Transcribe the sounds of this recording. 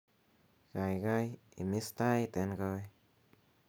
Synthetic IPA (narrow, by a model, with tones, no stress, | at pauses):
ɡa˨jɡa˦ji˨mi˦st̪a˦jt̪e˨˧nɡa˧j